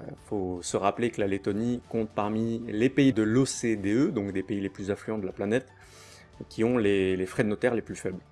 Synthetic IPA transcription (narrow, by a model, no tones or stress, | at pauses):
fosəʁaplekəlalet̪ɔnikɔ̃t̪̚paʁmilepeid̪əlosed̪eød̪ɔ̃kd̪epeileplyzɛ̃flyɑ̃d̪əlaplanɛt̪ | kʲiɔ̃lelefχɛd̪ənɔt̪ɛʁleplyfɛbl